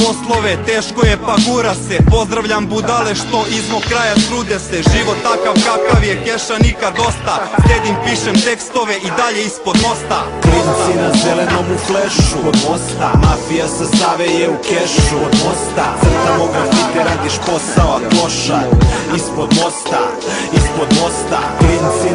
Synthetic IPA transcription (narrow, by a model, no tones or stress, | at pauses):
po̞slˠoʋet̪eːʃko̞je̞paɡuːɾasepo̞zd̪ɾaʋʎambud̪aleʃt̪o̞ʔizmo̞kɾaːjat̪ɾuːd̪eseʒiʋo̞t̪ːakaʋkakaʋjekeʃanikad̪o̞st̪asʎʲed̪impiːʃemt̪e̞kst̪o̞ʋe̞ʔid̪aʎe̞ispo̞d̪mo̞st̪apɾinsinazelenomufleʃuod̪ost̪amafijasest̪aʋejeukeʃud̪most̪assamoɡat̪it̪iɾaːd̪iʃpo̞saoako̞ʃaispod̪mo̞st̪a | ispod̪mo̞st̪a̰pɾint̪si